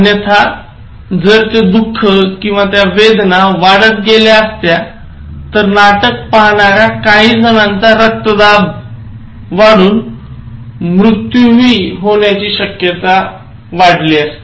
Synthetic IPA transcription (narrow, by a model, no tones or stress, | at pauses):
njət̪ʰa | d͡zəɾt̪ed̪ukʰːəkĩw̃ʋat̪jaʋed̪naʋaɽət̪̚ɡeljaəst̪ja | t̪əɾnaʈək̚paɦɳaɾjakaɦiːd͡zənãnt͡saɾək̚t̪əd̪ab | ʋaɽuːn | mɾut̪juʋiːɦoɳjat͡ɕiːɕəkjət̪a | ʋaɽ̤liəst̪e